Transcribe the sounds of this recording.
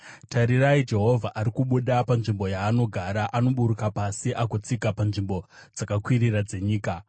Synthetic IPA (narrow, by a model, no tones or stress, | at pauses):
tʰaɾiraid͡ʒe̞ɦo̞vʱaʔaɾikuɓuɗapanʐimbo̞jaːno̞ɡʱaɾaʔano̞ɓuɾukapasiʔakot͡sikapanʐimbo̞ | d͡zakakwiɾirad͡ze̞ɲiːka